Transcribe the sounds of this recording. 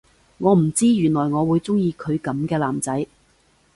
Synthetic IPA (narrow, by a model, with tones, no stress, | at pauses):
ŋɔː˨˧m̩˨˩t͡siː˥jyː˨˩nlɔː˨˩jŋɔː˨˧wuː˨˧jt͡sʊ˥ŋjiː˧kʰɵ˨˧ɥkɐ˨˥mkɛː˧laː˨˩mt͡sɐ˨˥j